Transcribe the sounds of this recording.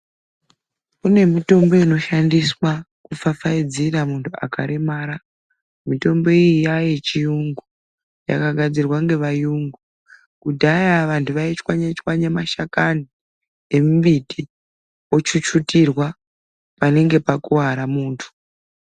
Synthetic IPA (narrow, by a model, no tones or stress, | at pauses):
kune̞mito̞mbo̞ino̞ʃandiswa | kufafaid͡ziramuntʰua̰ka̰ɾemaːɾa | mito̞mbo̞ijijajet͡ʃijuŋɡu | ja̰kaɡʱad͡zirwaŋɡe̞ʋajuŋɡu | kudʱajaʋantʰuʋait͡ʃwaɲet͡ʃwaɲemaʃakani | emubiti | o̞t͡ʃut͡ʃutirwa | pane̞ŋɡe̞pakuɦaɾamuːntʰu̥